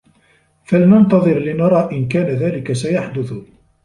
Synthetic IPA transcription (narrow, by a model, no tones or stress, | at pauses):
falnɑnt̪ɑðˤɨɾlɪnɑɾˤɑːʔɪnkæːnaðæːlɪkasajaħd̪ʊθ